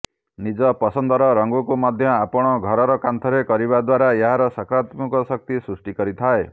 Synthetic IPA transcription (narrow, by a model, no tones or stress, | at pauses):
nid͡ʒɔpɔsɔnd̪ɔɾɔɾɔŋɡukumad̪ʱjɔapɔɽ̃ɔɡʱɔɾɔɾɔkant̪ʰɔɾekɔɾiβad̪waɾaeɦaɾɔsakɾat̪mukɔsɔk̚t̪isɾusʈikɔɾit̪ʰae